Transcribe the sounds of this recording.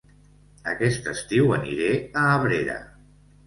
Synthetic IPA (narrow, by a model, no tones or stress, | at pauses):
ə̰kɛst̪əst̪iwənḭɾeəːβɾeɾə̰